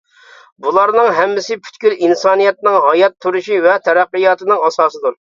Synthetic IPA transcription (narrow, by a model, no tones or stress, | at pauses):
bulˠɑɾnɨŋɦɛmːɪsɪpʰy̥t̪kʲylinsɑːnijɛt̪nɨŋɦɑjɑt̪ʰːuɾuʃivɛt̪ʰɛɾæqːɨjɑːt̪ɨnɨŋɑsɑːsɨd̪uɾ